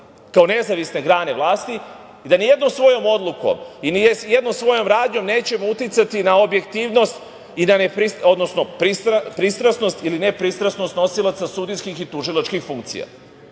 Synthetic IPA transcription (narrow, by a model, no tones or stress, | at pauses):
kao̞ne̞zaʋisne̞ɡɾaːne̞ʋlˠaːst̪i | id̪anijed̪no̞msʋo̞jo̞mo̞d̪lˠuko̞̰minijed̪nomsʋo̞jo̞mɾaːd̪ɲo̞mne̞ːt͡ɕe̞mout̪jit̪sat̪inao̞bje̞kt̪iːʋno̞st̪ | inanepɾiso̞d̪no̞sno̞pɾisɾapɾist̪ɾasno̞st̪iline̞pɾist̪ɾasno̞st̪no̞silˠat̪sasud̪inskixit̪uʒilat͡ʃkixfuŋkt̪sḭja̰